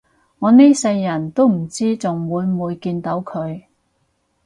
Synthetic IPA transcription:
ŋɔː˨˧ne˥jsɐ˧jːɐ˨˩nt̪o˥wm̩˨˩t͡siː˥t͡sʊ˨ŋwuː˨˧jmuː˨˧jkiː˧nt̪o˨˥wkʰɵ˨˧ɥ

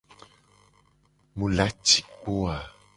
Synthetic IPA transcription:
mũ˨la˦t͡ʃi̥˨k͡po˦a˨

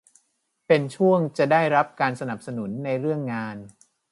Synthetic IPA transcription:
pe˧nt͡ɕʰu˥˩əŋt͡ɕa˨˩daː˥˩jɾa˦˥p̚kaː˧nsa˧na˨˩p̚sa˧nu˩˦nːa˧jɾɯ˥˩əŋːaː˧n

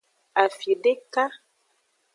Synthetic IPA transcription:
a˨fi˨ɖe˦ka˦

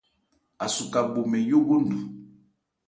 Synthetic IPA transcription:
a˨su˨ka˨ɡ͡bo˨mɛ˨jo˦bu˦n˦du˨

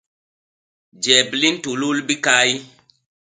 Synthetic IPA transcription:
d͡ʒɛ˨bli˦ntu˨lu˦lbi˦ka˦j

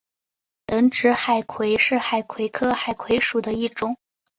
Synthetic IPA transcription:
lə˧˥nʈ͡ʂɻ̩˧˥xa˨˩ɪkʰwe˧˥ɪʂɻ̩˥˩xa˨˩ɪkʰwe˧˥ɪkʰɤ˥xa˨˩ɪkʰwe˧˥ɪʂu˨˩d̪ə˦i˥˩ʈ͡ʂʊ˨˥˦ŋ

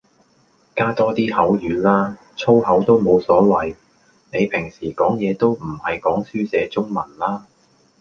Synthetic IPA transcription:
kaː˥t̪ɔː˥t̪iː˥hɐ˨˥wjyː˨˧˥nlaː˥ | t͡sʰo˥whɐ˨˥wt̪o˥wmo˨˧wsɔː˨˥wɐ˨j | ne˨˧jpʰɪ˨˩ŋsiː˨˩kɔː˨˥ŋjɛː˨˧t̪o˥wm̩˨˩hɐ˨jkɔː˨˥ŋsyː˥t͡sɛː˨˧t͡sʊ˥ŋmɐ˨˩nlaː˥

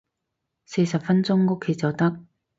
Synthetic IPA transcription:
se˧jsɐ˨p̚fɐ˥nt͡sʊ˥ŋŋʊ˥kʰːe˧jt͡sɐ˨wt̪ɐ˥k̚

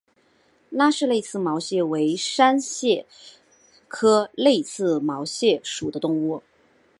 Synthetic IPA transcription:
na˥˧ʂɻ̩˥˧le˥˧ɪt͡sʰɹ̩˥˩mɑ˧˥ʊɕjɛ˥˩we˧˥ɪʂa˥nɕjɛ˥˩ | kʰɤ˥le˥˧ɪsʰɹ̩˥˩mɑ˧˥ʊɕjɛ˥˩ʂu˨˩d̪ə˦t̪ʊ˥˧ŋu˥˩

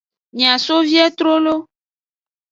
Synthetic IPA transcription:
ɲĩ˨ã˨so˦vi˦ɛ˦t̪ɾo˦lo˦

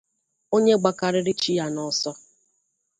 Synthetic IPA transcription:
o˦ɲe˦ɡ͡ba˨ka˨ɾɪ˦ɾɪ˦t͡ʃi˦ja˨nɔ˦sɔ˦

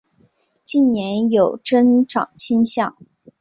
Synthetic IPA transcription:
t͡ɕi˥˩nnjɛ˧˥njo˨˩ʊʈ͡ʂə˥nʈ͡ʂɑ̰˨˩ŋt͡ɕʰi˥nɕjɑ˥˩ŋ

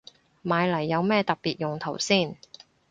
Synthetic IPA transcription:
maː˨˧jlɐ˨˩jːɐ˨˧wmɛː˥˧t̪ɐ˨k̚piː˨t̚jʊ˨˩ŋt̪ʰo˨˩wsiː˥˩n

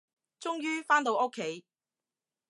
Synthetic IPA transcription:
t͡sʊ˥ŋjyː˥faː˥nt̪o˧wʔʊ˥kʰːe˨˥j

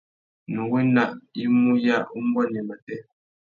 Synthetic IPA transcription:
nu˨wi˦na˦˨ʔi˦mu˦ja˦u˦m˦bɔ˦˨n˨ɛ˨ma˨tɛ˦

